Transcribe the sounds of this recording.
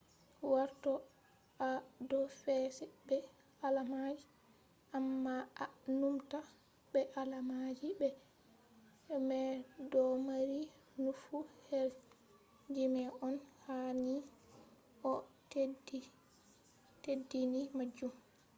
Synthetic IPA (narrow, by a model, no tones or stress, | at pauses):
waɾtɔ | ʔadɔfɛsɛbɛ | alamad͡ʒi | ʔamːaanumta | bɛʔalamad͡ʒibɛ | mɛdɔmaɾi | nufuhɛl | d͡ʒimɛʔɔnhani | ʔɔtdi | tedinimad͡ʒum